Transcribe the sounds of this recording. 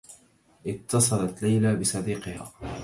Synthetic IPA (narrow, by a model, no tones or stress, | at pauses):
ʔɪt̪ːɑsˤɑlɑt̪lajlaːbɪsˤɑd̪iːqɨha̰ː